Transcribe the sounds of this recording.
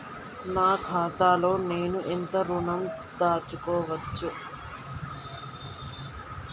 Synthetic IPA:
naːkʰaːt̪aːlo̞ːne̞ːnuʔent̪ɐɾuɳɐmd̪aːt͡ʃːukɔːʋɐt͡ʃːu

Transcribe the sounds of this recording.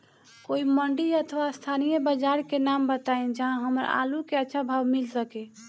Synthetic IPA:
koiməɳɖiət̪ʰəʋast̪ʰanijəbəd͡ʒaɾkenambət̪aed͡ʒəɦãɦəməɾa̰lukeətːʃʰabʱabmilsəke

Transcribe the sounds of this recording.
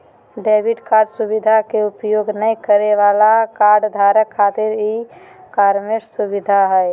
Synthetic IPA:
ɖeːbiʈkaːɾɖsubid̪ʱakeʊpjoːɡnəikəɾeʋaːlakaːɾɖd̪ʱaːɾəkʰːaːt̪ɪɾɦi | kaːɾmeɾsubɪd̪ʱaɦɛe

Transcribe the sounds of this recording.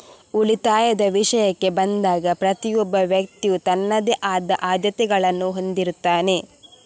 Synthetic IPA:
ulit̪aːjɐd̪ɐʋiʂɐjɐkːe̞bɐnd̪aːɡɐpɾɐt̪ijɔbːɐʋjɐk̚t̪iut̪ɐnːɐd̪eʔaːd̪ɐʔaːd̪jɐt̪ɛɡɐɭɐnːuɦo̞nd̪iɾut̪ːaːne̞

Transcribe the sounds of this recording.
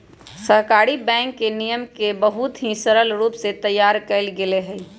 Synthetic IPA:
səɦkaɾibɛ̃ŋkːenijəmkebəɦut̪ɦĩsəɾəlɾuːpset̪əjːaɾkəɪlɡeleɦəj

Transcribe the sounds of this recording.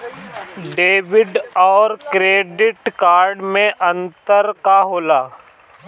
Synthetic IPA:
ɖeːʋɪɖɔːɾkɾeːɖɪʈkaːɾɖmẽʔɐ̃nt̪əɾkaɦoːlaː

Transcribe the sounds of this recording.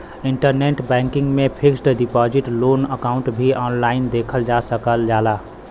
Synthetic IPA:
iɳʈəɾneʈbɛ̃ŋkɪ̃ŋɡmẽpʰiksɖɖipɔd͡ʒiʈlonəkaʊ̃ɳʈbʱiʔɔːnlaɪnd̪ekʰəld͡ʒasəkəld͡ʒala

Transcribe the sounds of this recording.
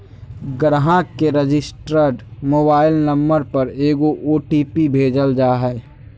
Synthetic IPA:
ɡɾɦãkeɾed͡ʒɪsʈɾəɾɖmoːbaːɪlnəmːəɾpəɾeːɡoʔoːʈiːpibʱeːd͡ʒəld͡ʒaːɦɛː

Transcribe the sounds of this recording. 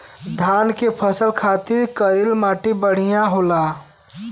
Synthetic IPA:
d̪ʱaːnkepʰəsəlkʰaːt̪ɪɾkəɾɪlmaːʈibəɽ̤ijaɦoːlaː

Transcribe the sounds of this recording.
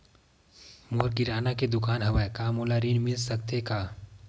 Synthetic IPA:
moːɾkɪɾaːnaked̪ʊkaːnɦɐʋaekaːmolaɾiːnmɪlsɐk̚t̪ekaː

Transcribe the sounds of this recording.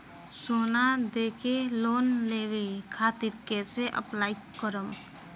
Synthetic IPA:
soːnad̪eːkʰeloːnleːwekʰaːt̪iɾkeseʔə̰plaːikəɾəm

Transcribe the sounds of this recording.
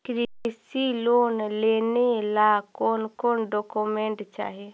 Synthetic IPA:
kɾisiloːnleːnelakoːnkoːnɖoːkumẽɳʈt͡ʃa̰ːɦe

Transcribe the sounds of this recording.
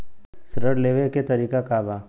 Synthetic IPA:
sɾəɽleːʋeket̪ɐɾiːkakaːbaː

